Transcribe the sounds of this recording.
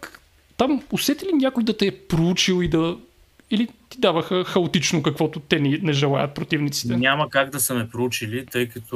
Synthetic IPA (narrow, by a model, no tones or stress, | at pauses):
k | t̪amʊsɛt̪ɛlinʲakʊjd̪ɐt̪ɛpɾout͡ʃilˠid̪ɐ | ilit̪id̪avəxəxɐot̪it͡ʃnokɐkvɔt̪ʊt̪ɛninɛʒɛlˠa̰jət̪̚pɾot̪ivnit̪si̥t̪ɛɲʲamɐkaɡd̪ɐsɐmɛpɾout͡ʃilit̪ɤjkɐt̪ʊ